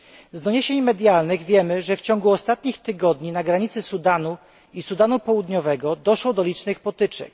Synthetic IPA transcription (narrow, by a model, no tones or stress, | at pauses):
zd̪ɔɲeɕeɲmɛd̪ʲjalnɘɣvʲjɛmɘʐɛft͡ɕɔŋɡuɔst̪at̪ɲixt̪ɘɡɔd̪ɲinaɡɾaɲit̪sɘsud̪anu | isud̪anupɔwud̪ɲɔvɛɡɔd̪ɔʂwɔd̪ɔlʲit͡ʂnɘxpɔt̪ɘt͡ʂɛ̰k